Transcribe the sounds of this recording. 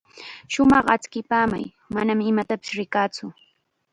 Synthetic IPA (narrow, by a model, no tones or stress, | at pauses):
ʃʊmɑχat͡skɪpaːma̰j | manamɪmat̪apɪ̥sɾɪkaːt͡sʊ